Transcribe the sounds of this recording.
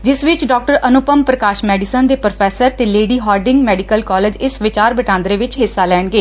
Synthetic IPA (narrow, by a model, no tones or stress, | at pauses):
d͡ʒɪsʋɪt͡ʃɖɔːk̚ʈəɾənʊpəmpɾəkaːʃmɛːɖɪsənd̪eːpɾəpʰɛːsəɾt̪eːleːɖiːɦɔːɾɖɪ̃ŋɡmɛːɖɪkəlkɔːleːd͡ʒɪsʋɪt͡ʃaːɾbəʈãːnd̪ɾeːʋɪt͡ʃɦɪsːaːlɛːɳɡeː